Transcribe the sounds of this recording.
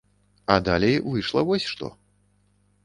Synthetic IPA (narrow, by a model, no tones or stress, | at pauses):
ɐd̪alʲejvɨʂlˠɐvɔsʲʂt̪ɔ̰